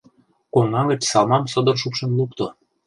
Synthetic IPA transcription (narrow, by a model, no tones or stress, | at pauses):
koŋɑɣə̆t͡ɕsɑlˠmɑmsɤ̆d̪ɤ̆rʃupʃɤ̆nluk̚t̪o